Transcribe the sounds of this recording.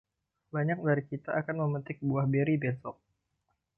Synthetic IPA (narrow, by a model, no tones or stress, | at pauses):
baɲak̚daɾikit̪aːkanməmənt̪ɪk̚buahbeɾibensɔk̚